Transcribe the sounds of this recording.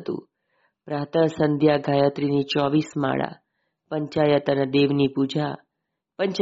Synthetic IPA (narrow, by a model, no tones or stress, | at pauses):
t̪ṵ̃ | pɾat̪əsənd̪ʱjaɡʱajət̪ɾinit͡ʃɔʋisma̰ɭa̰ | pəɲt͡ʃajət̪ənəd̪eʋnipud͡ʒʱa | pəɲt͡ʃ